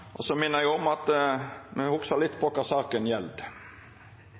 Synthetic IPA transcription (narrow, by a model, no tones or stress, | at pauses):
ʔɔsɔmɪnːəɾjæɔmɑt̪mɛhʊksɑlɪt̪ːpʰɔkɑsɑːkənjɛld̪